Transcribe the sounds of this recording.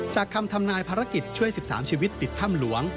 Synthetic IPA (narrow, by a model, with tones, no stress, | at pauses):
t͡ɕaː˨˩kʰːa˧mt̪ʰa˧mnaː˧jpʰaː˧ɾa˦˥ki˨˩t̪̚t͡ɕʰu˥˩əjsi˨˩p̚sa̰ː˩˦mt͡ɕʰiː˧wi˦˥t̪ːi˨˩t̪ʰːa˥˩mlu˨˩˦əŋ